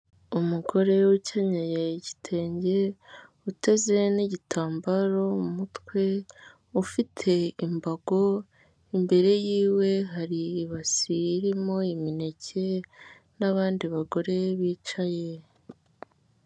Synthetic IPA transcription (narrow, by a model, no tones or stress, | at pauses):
umuɡo̞ɾe̞wucaɲajeɟi̥tʰe̞ːɲɟe̞ | ute̞ze̞niɟitʰaːmbaɾo̞mumutwe̞ | ufitʰe̞imbaɡo̞ | imbe̞ɾe̞jiːwe̞ɦaɾiːβasiːɾimo̞imine̞cʰe̞ | naβaːndiβaɡo̞ɾe̞βiːt͡ʃaje